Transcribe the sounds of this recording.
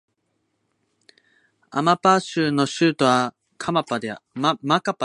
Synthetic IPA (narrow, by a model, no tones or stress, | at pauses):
a̰mapaɕɨːno̞ɕɨːt̪o̞βa | kʰamapad̪emakapa